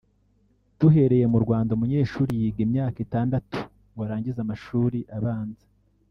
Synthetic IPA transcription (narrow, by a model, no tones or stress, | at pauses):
tuɦe̞ɾe̞je̞muɾɡwaːndaumuɲe̞ːʃuːɾijiːɡimɲaːkitaːndatu̥ | waɾaːɲɟizamaʃuːɾiʔaβaːnze̥